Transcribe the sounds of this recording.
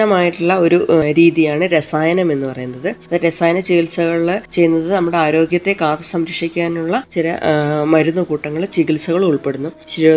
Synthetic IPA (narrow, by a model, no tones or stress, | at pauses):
ɐmaːjiʈːuɭːɐo̞ɾuɾiːðijaːɳɨɾesaːjɐnɐme̞nːɨpɐrɐjunːɐðɨɐðɨɾesaːjɐnɐt͡ɕiɣilsɐɣɐɭt͡ɕe̞junːɐðɨnɐmːuɽe̞aːɾo̞ːɡjɐt̪ːe̞kaːt̪ɐsɐmɾikʂikʲːaːnuɭːɐt͡ɕilɐmɐɾunːukuːʈːɐŋːɐɭt͡ɕiɣilsɐɣɐɭuɭpe̞ɽunːu | ɕ